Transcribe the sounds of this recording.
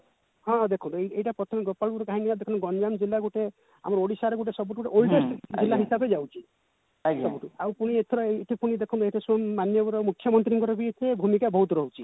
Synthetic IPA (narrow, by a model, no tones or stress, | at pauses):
ɦɔ̃d̪ekʰunt̪eejʈapɾɔt̪ʰɔmeɡɔpalpuɾɔkaɦinilad̪ekʰunɡɔnd͡ʒamd͡ʒilːaɡuʈe | a̰mɔɾoɽisaɾɡuʈ̬esɔbuʈɡuʈeolʈesʈd͡ʒilːaɦisabʱed͡ʒawt͡ʃʰi | sɔbuʈuawpuɽ̃iet̪ʰɔɾɔeʈʰipuɽ̃id̪ekʰunt̪eʈʰasuɔmːanjɔbɔɾɔmukʰːjɔmɔnt̪ɾiŋkɔɾɔbiet̪ʰebʱumikabɔɦut̪ɾɔɦut͡ʃʰi